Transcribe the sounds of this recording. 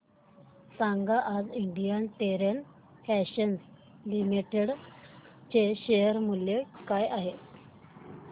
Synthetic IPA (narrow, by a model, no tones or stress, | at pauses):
saŋɡaʔːd͡ziɳɖijənt̪eɾən | fæɕəns | limiʈeɽ | t͡ɕeɕejəɾmuljekajaɦe